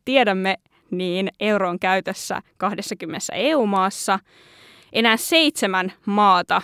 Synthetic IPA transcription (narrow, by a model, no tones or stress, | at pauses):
t̪iedæmːe | niːne̞wroːŋkæyt̪øsːæ̰kɑhdesːɑkymːenesːæ̰euːmɑːsːɑ | ʔe̞næːsse̞it̪semænmɑːt̪ɑ